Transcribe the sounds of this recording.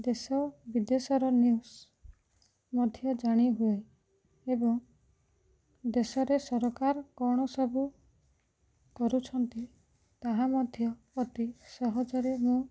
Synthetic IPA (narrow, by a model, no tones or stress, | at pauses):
d̪esɔbid̪esɔɾɔnius | mɔd̪ʱjɔd͡ʒaɽ̃iɦue | ebɔŋ | d̪esɔɾesɔɾɔkaɾɔkɔɽ̃ɔsɔbu | kɔɾut͡ʃʰɔnt̪i | t̪aɦamɔd̪ʱjɔ | ɔt̪isɔɦɔd͡ʒɔɾemũ